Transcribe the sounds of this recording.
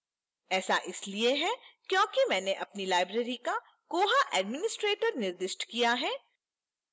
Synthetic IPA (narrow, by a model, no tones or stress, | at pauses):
ɛːsaʔɪslieɦɛkjõːkimɛ̃ːneʔɐpnilaːɪbɾeːɾika | koːɦaʔɛːɖmɪnɪsʈɾeːʈəɾnɪɾd̪ɪʃʈkijaɦɛː